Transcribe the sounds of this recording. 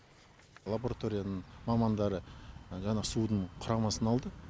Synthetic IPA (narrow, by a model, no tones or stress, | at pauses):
lˠaboɾat̪o̞ɾʲijanəɴmɑmɑnd̪ɑɾəʒɑɴɑsud̪əɴqʰʊɾɑmɑsənɑlˠd̪ə